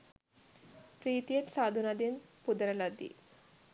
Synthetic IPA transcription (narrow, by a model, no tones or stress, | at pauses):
pɾiːt̪ijet̪saːd̪ʱunad̪inpud̪ɐɾɐlad̪ḭ